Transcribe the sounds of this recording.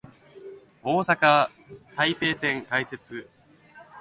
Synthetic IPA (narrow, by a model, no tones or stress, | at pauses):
o̞ːsaka | t̪aipe̞ːsẽ̞ŋkaise̞t͡sɨ